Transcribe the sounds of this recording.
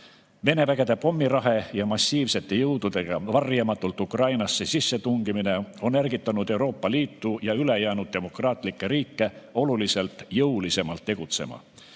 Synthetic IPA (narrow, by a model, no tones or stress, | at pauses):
ve̞ne̞væɡ̥e̞d̪e̞po̞mːiɾɑɦe̞jɑmɑsʲːiːvse̞t̪ːˑe̞jɤwd̪̥ud̪̥e̞ɡ̥ɑvɑrjɑmɑt̪ːˑult̪ːˑukrɑjnɑsːesisːe̞t̪uŋɡ̥imine̞o̞nːærɡit̪ːˑɑnud̪̥e̞uɾo̞ːpːɑliːt̪ˑːujɑyle̞jæːnud̪̥̚d̪e̞mo̞krɑːt̪ˑlikːeɾiːkˑːe̞o̞lulise̞lt̪ˑjɤulise̞mɑlt̪ːe̞ɡ̥ut̪se̞̰mɑ̰